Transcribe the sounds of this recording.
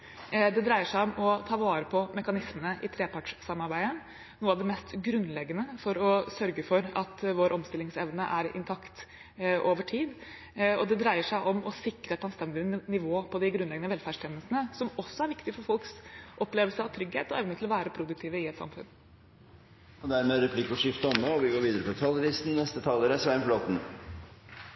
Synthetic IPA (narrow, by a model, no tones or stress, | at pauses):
d̪ɛd̪ɾæɪəʂæɪɔmɔt̪ʰɑːʋɑːɾəpʰɔmɛkɑnɪsmənəʔɪt̪ʰɾeːpɑʈʂsɑmːɑɾbæɪə | nuːəɑʋd̪ɛmɛst̪ɡɾʉnːlɛɡːənəfɔɾɔsœɾɡəfɔɾɑt̪ʋoːɾʔɔmst̪ɪlɪŋsɛʋnəʔæɾɪ̰nt̪ʰɑkt̪ | ʔoːʋəʈʰiːd̪ | ɔd̪ɛd̪ɾæɪəʂæɪʔɔmɔsɪkːɾəɛt̪ɑnst̪ɛnd̪ɪnɪʋoːpʰɔd̪ɪɡɾʉnlɛɡənəʋɛlfæːʂʈʰɛːnːəlsənəsɔmɔsːɔæɾʋɪkt̪ɪfɔɾfɔlksʔɔpleːʋəlsəɑʋt̪ʰɾʏɡhḛːt̪ɔɛʋnət̪ʰɪlɔʋæːɾəpʰɾʊd̪ʉk̚t̪ʰɪːʋəɪɛt̪sɑ̰mfʉ̰n | ɔd̪æɾmeːɾɛpʰlɪkːɔʂɪft̪əɔmːoɔʋɪɡoːɾʋiːd̪əɾəpʰɔt̪ʰɑlːɾɪsn̩nːɛst̪ət̪ʰɑːləːɾəsʋæɾmflɔt̪n̩